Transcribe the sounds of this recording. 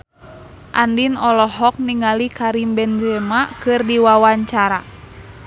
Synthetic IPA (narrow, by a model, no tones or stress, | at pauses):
ʔandinɔlɔɦɔk̚niŋalikaɾimbɛnd͡ʒɛmakɨrdiwawaɲt͡ʃaɾa̰